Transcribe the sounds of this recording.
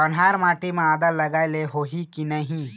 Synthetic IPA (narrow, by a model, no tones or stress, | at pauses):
ɐnɦaːɾmaːʈimẽaːd̪əɾlɐɡaːeleɦoɦikinɐɦĩ